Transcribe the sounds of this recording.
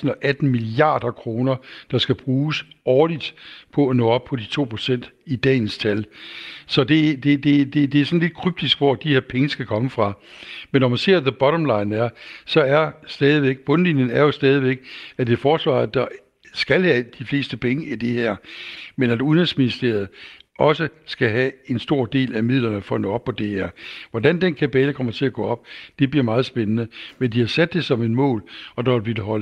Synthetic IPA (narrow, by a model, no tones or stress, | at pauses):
sn̩ɒ̽ʔæd̥n̩miliɑ̈ːd̥ɐkʰʁo̝ːnɐd̥ɑ̈sɡ̥æb̥ʁuːsɒːlid̥pʰɒ̽ænɔ̰̽ːɒ̽b̥̚pʰɒ̽dit͡sʰo̝̰ːpʰʁo̝̥sen̰d̥id̥ɛ̰ːnst͡sʰælsɒ̽d̥e̝d̥e̝d̥e̝d̥e̝d̥e̝æɐsɒ̽nle̝d̥̚kʰʁyb̥̚d̥isɡ̥ʋɒæd̥ihe̝ɐpʰeŋəsɡ̥ækʰɒ̽məfʁɑ̈menːɒmænse̝ɐ̰ðəb̥ɒ̽ɾɒ̽mlɑ̈ɪnæɐsɒ̽æɐsd̥ɛːð̞ˠiʋeɡ̥̚b̥ɔ̽nlinjənæɐjo̝sd̥ɛːð̞ˠiʋeɡ̥æd̥e̝fɒːsʋɑ̰̈ːð̩ˠd̥ɑ̈ | sɡ̥ælhæd̥ifle̝̰ːsd̥əpʰeŋəʔid̥e̝heɐ̰menæd̥uðˠɛnsminisd̥e̝ɐð̞̩ˠɒ̽səsɡ̥æɦæe̝nsd̥o̝ɐ̰d̥e̝̰ːlæmið̞̰ˠlɐnəfɒ̽no̰ɒ̽b̥̚pʰːɒ̽d̥e̝heɐ̰ʋɒdænd̥enkʰæpʰɛːləkʰɒ̽m̰ɐt͡sʰe̝æɡ̥ɔ̰̽ːɒ̽b̥d̥e̝b̥liɐ̰mɑ̈ːð̩ˠsb̥enənəmend̥ihɑ̈sæd̥ːe̝sɒ̽me̝nmɔ̰̽ːlɒ̽d̥ɑ̈b̥il̥əɦɒl